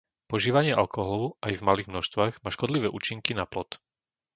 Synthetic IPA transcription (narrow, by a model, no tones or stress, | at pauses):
pɔʒiːʋaɲɪɛʔalkɔɦɔlɔʋʊʔajvmaliːɣmnɔʃst̪ʋaːɣmaːʃkɔd̪liʋɛːʔuːt͡ʃiŋkinaplɔt̪